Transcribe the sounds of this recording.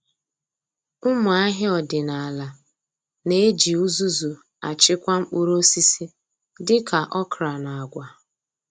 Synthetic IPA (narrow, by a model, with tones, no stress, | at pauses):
ʊ˦mʊ˨a˦ɦɪ˦ɔ˨dɪ˨na˨a˨la˨ | ne˦d͡ʒi˨u˦zu˦zu˨ | a̰˨t͡ʃɪ˦kʷa˦m̩˦k͡pu˦ɾo˦si˦si˦ | dɪ˦ka˨ʔɔ˦kɾa˨na˨a˨ɡʷa˨